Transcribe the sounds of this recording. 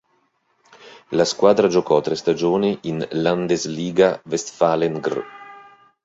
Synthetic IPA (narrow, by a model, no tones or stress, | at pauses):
laskwaːd̪ɾad͡ʒokɔt̪ɾɛst̪ad͡ʒoːneʔinland̪ezliːɡavɛst̪faleŋɡr